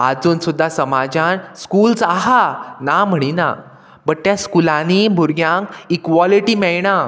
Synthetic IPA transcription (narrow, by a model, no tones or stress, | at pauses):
a̰d͡zuːnsud̪ʱːasəmad͡ʑanskult͡saɦanam̤əɽ̃ina̰ | bəʈ̚t̪jaskulanibʱuɾɡjãŋkikʋɔliʈiːmɛɭɳa